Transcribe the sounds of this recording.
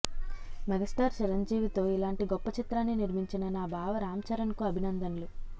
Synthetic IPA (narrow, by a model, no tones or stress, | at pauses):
mɛɡɐsʈaːɾt͡ʃiɾɐɲd͡ʒiːʋit̪o̞ːilaːɳʈiɡɔpːɐt͡ʃit̪ɾaːnːiniɾmiɲt͡ʃinɐnaːbʱaːʋɐɾaːmt͡ʃɐɾɐnkuɐbʱinɐnd̪ɐnlu